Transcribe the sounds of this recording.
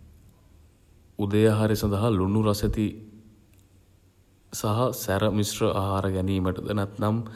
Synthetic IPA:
ud̪əjaɦaɾesãnd̪ɐɦalunuɾaset̪i | saɦasæɾəmisrəʔaɦaːɾəɡæniːməʈəd̪ənæt̪nam

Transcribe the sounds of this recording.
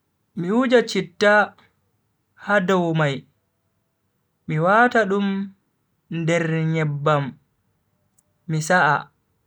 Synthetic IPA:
miwud͡ʒat͡ʃitːa | hadɔwmaj | miwaːtaɗum | ndɛɾɲɛbːam | isaʔa

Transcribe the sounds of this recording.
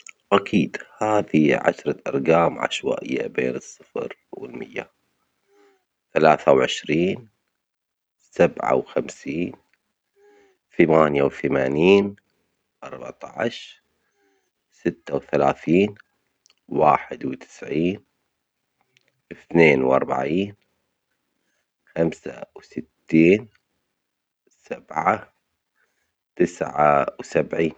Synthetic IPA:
ʔakʰiːd̪haːðiʕa̰ʃɾˤɑʔɑ̰ɾˤɡaːmʕa̰ʃwa̰ːʔɪ̰jːa̰bḛːnɨsˤːɨfɾwɪlmɪjːa̰ | θalaːθawʕɪʃɾiːn | sabʕa̰wxamsiːn | θamaːnjawθamaːniːn | ʔɑɾˤbaʕt̪ˤɑʕʃ | sɪt̪ːawθalaːθiːn | waːħɪd̪wt̪ɪ̥sʕiːn | ʔɪθneːnwʔɑ̰ɾˤba̰ʕiːn | xamsa̰wsɪt̪ːiːn | sabʕa | t̪ɪsʕawsabʕiːn

